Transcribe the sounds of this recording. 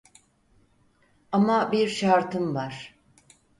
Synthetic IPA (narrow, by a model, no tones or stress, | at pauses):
amabiɾʃaɾt̪ʰɯmvaɾ̥